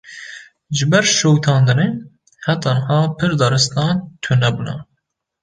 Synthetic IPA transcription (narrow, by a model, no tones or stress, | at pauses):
ʒɨbɛɾʃowt̪ʰɑːnd̪ɨne | hɛt̪ɑnhɑːpʰɨɾd̪ɑɾɨst̪ɑːnt̪ʰunɛbunɑ